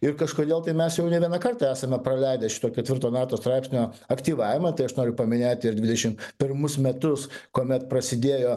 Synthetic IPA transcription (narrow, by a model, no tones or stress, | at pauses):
ɪɾkɐʃkoːd̪ʲeːlˠt̪ɐɪmʲɛsjɛʊnʲɛʋʲiɛnɐkɐrt̪ɑːæːsɐmʲɛpɾɐlʲɛɪd̪ɐʃʲɪ̥t̪oːkʲɛt̪ʲʋʲɪrt̪oːmʲæːt̪oːst̪ɾɑɪpʲsʲnʲoːɐkt̪ʲiːʋɑːʋʲɪmɐt̪ɐɪɐʃnoːɾʲʊpɐmʲɪnʲeːt̪ʲɪɾd̪ʲʋʲɪd̪ʲɛʃʲɪmpʲɪrmʊsmʲɛt̪ʊskoːmʲɛt̪pɾɐsʲɪd̪ʲeːjoː